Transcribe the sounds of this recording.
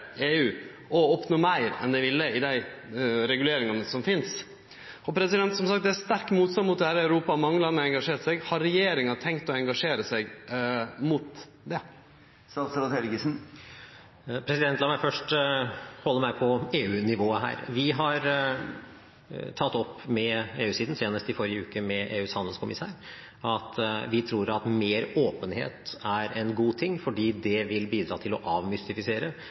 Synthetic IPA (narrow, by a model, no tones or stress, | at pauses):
eːʉː | ɔɔpnɔːmæɪɾɛ̰nd̪ɛɪʋɪlːəɪd̪æɪɾɛɡʉleːɾɪŋɑnəsɔmfɪns | ɔpʰɾɛsɪd̪ɛnt̪sɔmsɑkt̪̚d̪ɛæst̪æɾkmuːt̪sɑnmʊt̪̚d̪ɛhæːɾəæʉɾuːpɑmɑŋːəlɑnːəɛŋɡɑʂeːɾʈ̪sɛɡhɑɾɾɛjeːɾɪŋɑt̪ʰɛŋkt̪ɔɛŋɡɑʂeːɾəsæɡ | mʊt̪ | d̪ɛ | st̪ɑːt̪sɾʊt̪hɛlɡəsn̩ | pʰɾɛsɪd̪ɛnt̪lɑmæɪfœʂʈ | hɔlːəɾmæɪpʰɔeːʉːnɪʋoːəɦæ̰ːɾʋɪɦɑɾ | t̪ʰɑt̪ːɔpːmɛeːʉːsiːd̪n̩seːnəst̪ɪfɔɾɪəʉːkəmɛʔḛːʉːshɑnd̪l̩skʰʊmɪ̰sæ̰ːɾ | ɑt̪ʋɪt̪ʰɾuːɾɑt̪meːɾoːpənhḛːt̪æɾɛnɡuːt̪ʰɪŋːfɔɖiːd̪ɛʋɪlbiːd̪ɾɑ̰ːt̪ʰɪlɔʔɑːʋmʏst̪ɪfɪseːɾə